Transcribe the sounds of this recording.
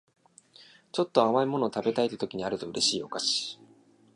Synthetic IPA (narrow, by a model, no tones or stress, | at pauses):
t͡ɕo̞t̪ːo̞amaimo̞no̞ːt̪abe̞t̪ait̪ːet̪o̞kʲiɲ̟iaɾɯ̟t̪o̞ɯ̟ɾʔe̞ɕiːo̞kaɕi̥